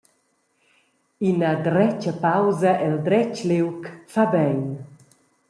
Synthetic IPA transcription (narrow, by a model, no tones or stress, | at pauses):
inəd̪ɾɛt͡ʃəpawzɐʔɛld̪ɾɛt͡ʃlewkfabɛjn